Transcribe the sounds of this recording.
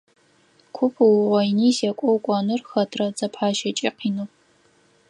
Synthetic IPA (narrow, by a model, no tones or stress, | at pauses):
kʷʰʊpʰwʁʷɐjniːsɛkʷʼɔwkʷʼɔnɨrxɐtʰrɐd͡zɐpʰħaːʃɐt͡ʃʼiqiːnɨp